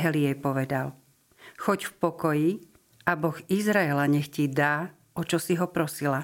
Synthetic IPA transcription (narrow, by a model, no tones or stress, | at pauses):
ɦɛliɛpɔʋɛd̪al | xɔɟfpɔkɔji | ʔabɔxizɾaɛlaɲɛxcid̪aː | ɔt͡ʃɔsiɦɔpɾɔsila